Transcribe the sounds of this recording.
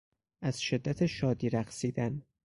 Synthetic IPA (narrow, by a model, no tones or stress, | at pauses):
ʔæz̥ʃe̞d̪ːæt̪ʰeʃɒːd̪iːɾæxsiːd̪æn